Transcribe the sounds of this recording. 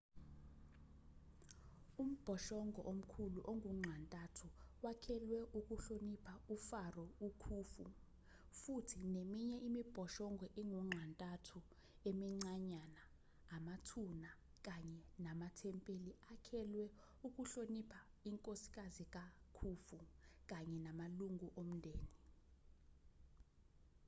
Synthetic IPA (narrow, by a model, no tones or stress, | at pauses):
um̩b̥ʱɔʃɔŋɡʱɔʔom̩kʰuluʔoŋʱuŋ͡ǁʱantʼatʰuwakʰɛlwɛʔuk̬ʼuɬonipʰaufarɔukʰuːfṵ | futʰinemiɲɛʔimib̥ʱɔʃɔŋɡʱɔʔiŋuŋ͡ǁʱantʼatʰu | emiŋ͡ǀaɲanaː | matʰuna | k̬ʼaɲɛnamatʰɛmpʼeliakʰɛlwɛ | uk̬ʼuɬonipʰa | iŋkʼosi̥k̬ʼazik̬ʼakʰufuk̬ʼaɲɛnamaluŋʱuʔom̩ndʱeːni